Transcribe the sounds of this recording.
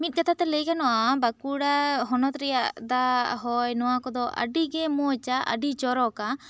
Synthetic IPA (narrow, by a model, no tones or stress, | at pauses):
mit̪̚ˀɡat̪ʰat̪ɛləjkanɔʔabakuɽaɦɔnɔt̪ɾɛjaʔd̪aɦɔjnɔwakɔd̪ɔʔə̰ɖiɡɛmɔt͡ʃaʔə̰ɖit͡ʃɔɾɔka